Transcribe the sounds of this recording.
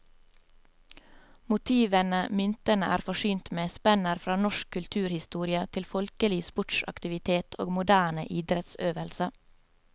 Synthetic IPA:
mʊt̪ʰiːʋənəmʏnt̪ənəʔæ̰ːɾfɔʃyːnt̪meːspɛnəɾfɾɑːnɔʃkʰʉlt̪ʰʉːɾhɪst̪uːɾɪət̪ʰɪlfɔlkəlɪspɔʈʃɑ̰kt̪ɪʋɪt̪ʰeːt̪ʰo̰ːɡmʊd̪æːɳə̰ʔiːd̪ɾɛt̪søːʋəlsə

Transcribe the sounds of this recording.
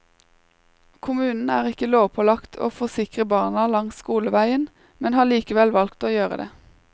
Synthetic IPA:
kʰʊmʉːnn̩æːʁɪkəloːʋpʰɔlɑkt̪ʰo̰ːfɔʁsɪkʁəbɑːnɑlɑŋskuːləʋæɪən | mɛnhɑːliːkəʋɛlʋɑlkt̪oːjøːʁə̰d̪ḛː

